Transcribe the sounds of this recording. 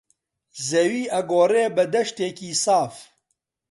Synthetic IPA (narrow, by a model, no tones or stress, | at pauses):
zewiːʔɐɡoːreːbəd̪ɐʃt̪eːkiːsaːf